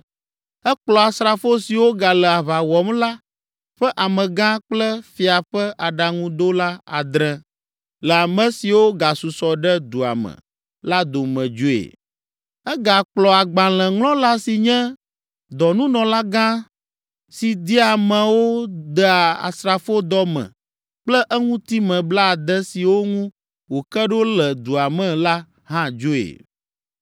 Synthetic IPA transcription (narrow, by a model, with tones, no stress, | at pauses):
ɛ˦k͡plɔ˨a˨sɾa˨fo˦si˨wo˦ɡa˨lɛ˨a˨βa˨wɔ˨mla˦ | ɸɛ˦ʔa˨mɛ̃˨ɡã˦k͡plɛ˦fi˨a˨ɸɛ˦ʔa˨ɖa˨ŋũ˦d̪o˦la˦a̰˨d̪ɾɛ̃˦ | lɛ˨a˨mɛ̃˦si˨wo˦ɡa˨su˨sɔ˨ɖɛ˦d̪u˨a̰˨mɛə̰̃˨ | la˦d̪o˨mɛ̃˨d͡ʒu˦ḛ˨ | ɛ˦ɡa˨k͡plɔ˨a˨ɡ͡bã˨l̃ɛ̃˨ŋlɔ̃˦la˦si˨ɲɛ̃˦ | d̪ɔ˨nũ˦nɔ̃˨la˦ɡã˦ | si˨d̪i˦a˨mɛ̃˨wo˦d̪ɛ˦a˨a̰˨sɾa˨fo˦d̪ɔ˦mɛ̰̃˨ | k͡plɛ˦ʔɛ˦ŋũ˦t̪i˦mɛ̃˨bla˦˨d̪ɛ˦si˨wo˦ŋũ˦ | wo˨kɛ˦ɖo˦lɛ˨d̪u˨a˨mɛ̃˦la˦ | ɦã˦d͡ʒo˦ḛ˨